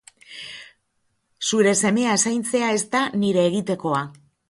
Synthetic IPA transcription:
suɾe̞se̞me̞aesajnt͡se̞ae̞st̪aniɾe̞ːɣ̞it̪e̞ko̞a

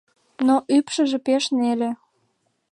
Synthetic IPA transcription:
noʔypʃə̆ʒĕpeʃnelĕ

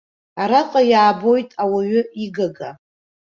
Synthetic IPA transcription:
aɾaqʼajaːbo̞jtʼawaɥʏiɡaɡa

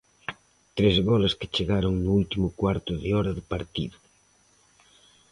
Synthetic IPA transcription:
t̪ɾezβɔleske̥t͡ʃeɣaɾoŋnuult̪imʊkwaɾt̪ʊðɪɔɾɐðɪpaɾt̪ḭðʊ

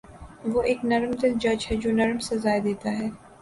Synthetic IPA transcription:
ʋoːʔeːknɐɾmd̪ɪld͡ʒɐd͡ʒɦɛd͡ʒoːnɐɾmsezaːjd̪eːt̪aɦɛː

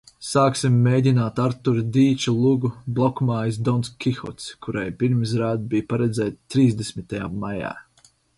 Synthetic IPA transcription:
saːksimːejdʲinaːt̪aɾt̪uɾd̪iːt͡ʃulˠuɡublˠɔkmaːjs̬d̪ɔnskʲixɔ̰t̪skuɾajpiɾmsɾaːd̪̚bijpaɾɛd̪zɛːt̪t̪ːɾiːzd̪esmʲit̪ajaːaja̰ː

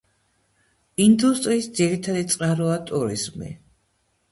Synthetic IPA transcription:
ind̪ust̪ʼɾiːsd̪ziɾit̪ʰad̪it̪sʼqʼaɾɔat̪ʼuɾḭzmḭ

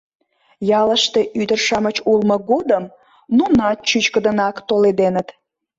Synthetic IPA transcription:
jɑləʃt̪e̽ʔyd̪ərʃɑmət͡ɕulməɣod̪əm | nunɑt̪̚t͡ɕyt͡ɕkəd̪ənɑkt̪oled̪enət̪

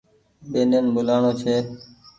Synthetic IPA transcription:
ɓeːnenbʊlaːɳoːt͡ʃʰeː

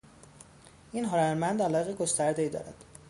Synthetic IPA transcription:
iːnɦɒɾæɾmænd̪ælɒːjeɣeɡost̪æɾd̪eiːd̪ɒ̰ːɾæ̰d̪̥

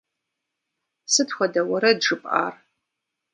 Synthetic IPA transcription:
sɨtxʷɔdɐwɐɾɐdʐɨpʼa̰ːr

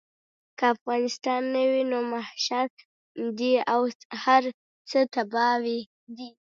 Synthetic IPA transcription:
kaːfɣɑnɪst̪ɑnːəwinomahʃak | d̪iawhaɾ | t͡sət̪abɑwi | d̪i

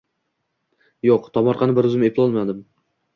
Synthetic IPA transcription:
joqt̪ʰɒmɒɾqʰɑnɪbɪɾʊzɪmepʰɪlɒlˠmad̪ɪm

